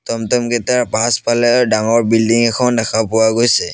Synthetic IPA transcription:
tɔmtɔmkɛtaɹpaspʰalɛdaŋɔɹbildiŋɛkʰɔndɛkʰapʊwaɡojsɛ

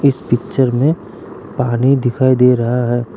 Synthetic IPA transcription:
ɪspɪkt͡ʃəɾmẽ | paːnid̪ɪkʰaːid̪eːɾɐɦaɦɛː

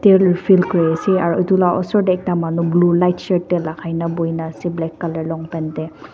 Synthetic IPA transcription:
tɛlfʰilkɔɹɛasiaɹḛjtulaʔɔ̰sɔɹdɛːk̚tamanublulajtsɛɹtːɛlakʰajnabojnaːsiblɛkːalɛɹlɔŋpɛntɛ

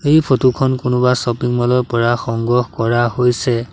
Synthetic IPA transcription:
ejpʰotukʰɔnkʊnʊbasɔpiŋmɔlɔjpɔɹaxɔŋɡɔhkɔɹahojsɛ

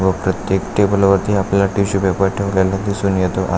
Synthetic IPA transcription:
ʋəpɾət̪jekʈebəlʋəɾt̪ʰiapljaʈiɕupapaʈʰeʋlalad̪isuːnjet̪oʔa̰

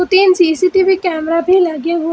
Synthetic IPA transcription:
ʊt̪iːnsiːsiʈiʋikɛːmɾabʱiləɡeɦo

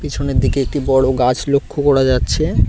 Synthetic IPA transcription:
pit͡ɕʰoneɾd̪ikeek̚ʈibɔɽoɡat͡ɕlokʰːokɔɽad͡ʑatːɕʰe

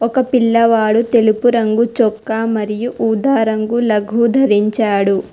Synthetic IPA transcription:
ɔkɐpilːɐʋaːɽut̪elipuɾɐŋɡut͡ʃɔkːaːmɐɾijuʔuːd̪aːɾɐŋɡulɐɡʱuːd̪ʱɐɾiɲt͡ʃaːɽu

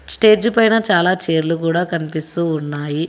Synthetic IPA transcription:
sʈe̞ːd͡ʒupɐjnɐt͡ʃaːlaːt͡ʃe̞ːɾlukuːɽaːkɐnipist̪uːunːaːji

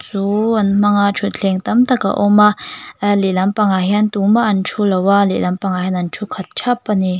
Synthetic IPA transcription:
t͡suanm̥aŋat͡ʃʰut̪̚ɬʰɛŋt̪amt̪aka̰ʔɔmaʔlilɐmpaŋaɦɛnt̪umaʔant͡ʃʰulɐwalḛʔlampaŋahɛnant͡ʃʰukʰat̪̚t͡ʃʰapːani

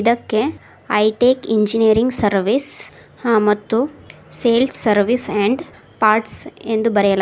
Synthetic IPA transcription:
d̪ɐkːe | ɐjʈeːkiɲd͡ʒinijɐɾiŋɡsɐɾʋis | hãːmɐt̪ːuseːlsːɐɾʋiseɳɖ | paːɾʈsend̪ubɐɾɛjɐla

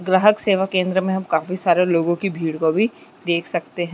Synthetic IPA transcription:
ɡɾaːɦəkseːʋakẽːnd̪ɾəmẽɦɐ̃mkaːfisaːɾeloːɡõkibʱiːɽkobʱi | d̪eːkʰsɐkt̪eɦɛ̃

